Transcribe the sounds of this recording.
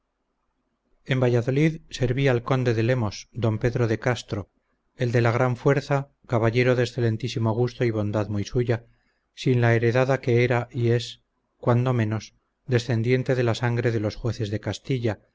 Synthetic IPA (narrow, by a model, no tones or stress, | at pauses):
e̞mbaʝaðo̞liðse̞ɾβialko̞nd̪e̞ðe̞le̞mo̞sd̪o̞mpe̞ðɾo̞ðe̞kast̪ɾo̞ | e̞ld̪e̞laɣ̞ɾaɱfwe̞ɾθa | kaβaʎe̞ɾo̞ðesθe̞lẽ̞nt̪isimo̞ɣ̞ust̪o̞iβ̞o̞nd̪aðmujsuʝa | sinlae̞ɾe̞ðaðake̞eɾaʔie̞s | kwand̪o̞mẽ̞no̞s | d̪e̞sθe̞nd̪je̞nt̪e̞ðe̞lasaŋɡɾe̞ðe̞lo̞sxwe̞θe̞zðe̞kast̪iʎa